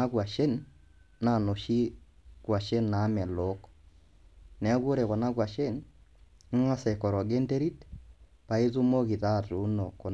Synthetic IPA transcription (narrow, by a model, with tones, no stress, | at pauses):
a˦ɣwa˨ʃe˦n | na˨no˨ʃi˦ | kwa˨ʃe˦nːa˨˦mɛ˨lo˦kɔ̥ | nɛ˨a˦ɣwo˦ɾe˨ɣɔ˨na˦ɣwa˨ʃe˦˨n | ŋ̩˦ŋa˦sɛ˨kɔ˨ɾɔ˨ɡe˦nte˦ɾi˦t | pa˨e˦zu˦mo˦ɣi˨ta˦˨tu˨˦nɔ˨ko˨